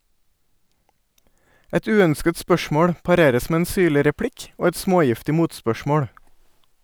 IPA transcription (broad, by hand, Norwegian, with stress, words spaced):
ˈɛt ˈʉːœnskət ˈspœʃmoːɽ pɑˈɾeːɾəs ˈmeː ˈeːn ˈsyːɭɪ ɾɛˈpɽɪk ˈoː ˈɛt ˈsmoːˌjɪftɪ ˈmuːtspœˌʃmoːɽ